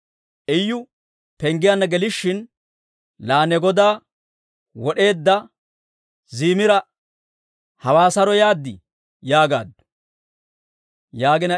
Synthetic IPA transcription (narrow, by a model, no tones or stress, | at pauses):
ʔɛjːʊ | pɛŋɡɪjanːɐɡɛlɪʃːɪn | laːnɛɡɔd̪aː | wɔɗe̞ːd̪ːɐ | ziːmɪɾɐ | hɐwaːsɐɾɔjaːd̪ːɪ | jaːɡa̰ːd̪ːʊ̥ | jaːɡɪnɐ